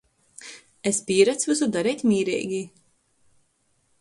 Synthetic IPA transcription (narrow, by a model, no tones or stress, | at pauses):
espʲiːɾat̪svɨsud̪aɾɛjt̪ʲmʲiːɾɛ̰ːɡʲi